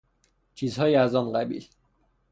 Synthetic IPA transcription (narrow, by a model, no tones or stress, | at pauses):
t͡ʃʰiːzhɒːjiæzɒnɢæbḭːl